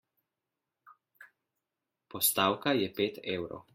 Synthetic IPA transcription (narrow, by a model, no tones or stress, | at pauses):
pɔst̪aːwkajɛpeːt̪eːwɾɔ̰w